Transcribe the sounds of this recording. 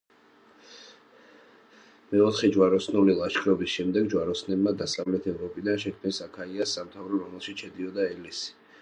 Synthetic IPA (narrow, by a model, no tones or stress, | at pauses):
mɛɔt̪ʰχɛd͡ʒwaɾɔsnulilˠaʃkʰɾɔbisʃɛmd̪ɛɡd͡ʒwaɾɔsnɛbmad̪asavlɛt̪ʰɛvɾɔpʼid̪anʃɛkʰmnisakʰaiasːamt̪ʰavɾɔɾɔmɛlˠʃiʃʰɛd̪iɔd̪aɛlisi̥